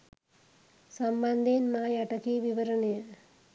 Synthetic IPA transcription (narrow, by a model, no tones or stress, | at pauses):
sɐmbɐnd̪ʱenmaːjɐʈɐkiʋiʋɐɾɐɳɐjɐ